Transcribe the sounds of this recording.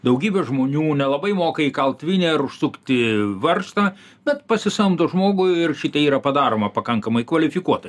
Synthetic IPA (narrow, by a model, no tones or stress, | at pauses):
d̪ɐʊɡʲiːbʲɛʒmoːnʲuːnʲɛlˠɐbɐɪmoːkɐikɐlˠt̪ʲʋʲɪnʲɛːɐɾʊʃsʊkt̪ʲɪʋɐrst̪ɐ | bʲɛt̪pɐsʲɪsɐmd̪oʒmoːɡʊɪrʃʲɪt̪ɐiːɾɐpɐd̪ɑːɾoːmɐpɐkɐŋkɐmɐɪkʋɐlʲɪfʲɪkuɔt̪ɐ